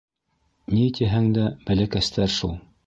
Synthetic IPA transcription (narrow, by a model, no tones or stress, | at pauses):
nit̪iɦæŋd̪æbælækæst̪ʰæɾʃulˠ